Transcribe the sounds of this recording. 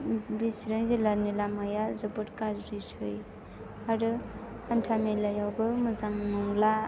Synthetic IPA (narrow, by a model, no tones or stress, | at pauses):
bisɾɯjzelaɾnilamajazɯbɯɾkazɾisɯj | aɾɯ | antʰamelajawbɯmɯzaŋmɔŋla